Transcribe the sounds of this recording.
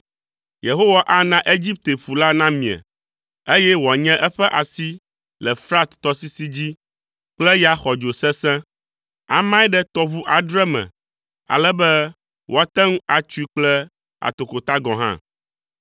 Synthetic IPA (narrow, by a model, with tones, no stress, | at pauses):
je˨ɦo˦wa˦ʔa˦nã˦ʔe˦d͡ʑi˦p̚t̪e˨ɸu˨la˦nã˦mĩ˨a̰˨ | e˦jɛ˦wa˨ɲɛ̃˦ʔɛ˦ɸɛ˦ʔa˨si˦ | lɛ˨fɾa˦t̪ːɔ˦si˦si˦d͡ʑi˦ | k͡plɛ˦jɛ˦a˨xɔ˨d͡ʒo˨sɛ̃˦sɛ̃˦ | a̰˨mã˦ɛ˦ɖɛ˦t̪ɔ˦βu˦ʔa˨ɖɾɛ˦mɛ̰̃˨ | a̰˨lɛ˦bɛ˦ | wʔo˨a˨t̪ɛ˦ŋũ˦a˨t͡ʃu˦i˦k͡plɛ˦ | a̰˨t̪o˨ko˨t̪a˦ɡɔ̃˨ɦã̰˦